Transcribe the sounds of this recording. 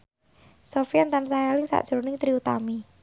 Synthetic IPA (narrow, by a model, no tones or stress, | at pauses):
sofiant̪amsajalɪŋsa̰ʔʒ̥ɾonɪŋt̪ɾiut̪ami